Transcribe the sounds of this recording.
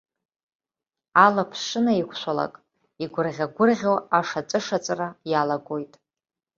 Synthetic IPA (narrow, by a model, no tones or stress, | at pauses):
alapʰʂɨnaikʷʰʃʷala̰kʼ | iɡʷʊrʁʲaɡʷʊrʁʲowaʂat͡sʼɨʂat͡sʼrajalaɡo̞jtʼ